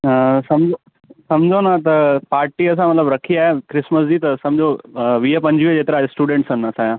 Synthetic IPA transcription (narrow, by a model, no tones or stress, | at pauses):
sɐmd͡ʑo | sɐmd͡ʒʱonat̪ɐpaːɾʈiɐs̬ãmɐt̪ləbɾɐkʰiaːjãkɾɪsməs̬d͡ʑiːt̪ɐsɐ̃md͡ʑʱoʋiːəpɐ̃ɲd͡ʑʋid͡ʑeːt̪ɾaːesʈuːɖẽɳʈsɐ̃nːɐsãːjã